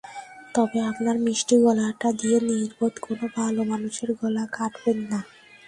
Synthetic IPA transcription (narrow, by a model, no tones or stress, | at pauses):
t̪ɔbeapnaɾmiʃʈiɡɔlaʈad̪ieniɾbod̪konobʱalomanuʃeɾɡɔlakaʈbenːa